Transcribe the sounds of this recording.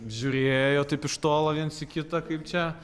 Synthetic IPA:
ʒʲʊɾʲeːjoːt̪ɐɪpɪʃt̪oːlˠɐʋʲiɛnsɪkʲɪt̪ɐkɐɪp̚t͡ʃʲɛ

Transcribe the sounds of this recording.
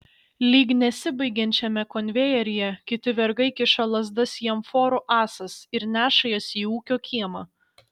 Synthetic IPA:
lʲiːɡnʲɛsʲɪbɐɪɡʲɛnʲt͡ʃʲɛmʲɛkɔnʲʋʲejɛɾʲɪjɛkʲɪt̪ʲɪʋʲɛɾɡɐɪkʲɪʃɐlˠɐzd̪ɐsjiɛmfoːɾuʔɑːsɐsɪɾnʲæːʃɐjoːsʲiːuːkʲoːkʲʰiɛmɐ

